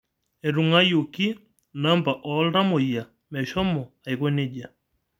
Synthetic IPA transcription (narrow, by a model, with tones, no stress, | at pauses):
ɛ˨ɾu˨ŋa˦jo˨ki˦ | na˦mba˨ʔɔ˨˦lɾa˦mo˨ja˨ | mɛ˨ʃɔ˦mɔ˨a˨i˨kɔ˦ne˦ʄa˨